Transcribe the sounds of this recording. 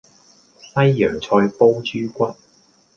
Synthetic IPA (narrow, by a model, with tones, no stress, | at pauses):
sɐ˥jːœː˨˩ŋt͡sʰɔː˧jpo˥wt͡ʃyː˥kʷɐ˥t̚